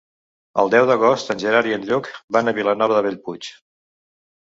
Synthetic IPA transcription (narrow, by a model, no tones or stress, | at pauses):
ə̰lˠd̪ɛwðəɣɔst̪ənʲʒəɾaɾiənʎɔkbanəβilənɔβəðəβeʎput͡ʃ